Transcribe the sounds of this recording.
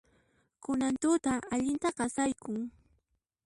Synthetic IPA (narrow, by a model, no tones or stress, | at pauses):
kʊnant̪ʊt̪aaʎɪnt̪ɑqɑsajkʊŋ